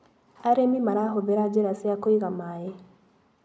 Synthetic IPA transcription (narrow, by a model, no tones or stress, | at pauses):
aɾemimaɾaɦoðeɾad͡ʒeɾasiakoiɣamaje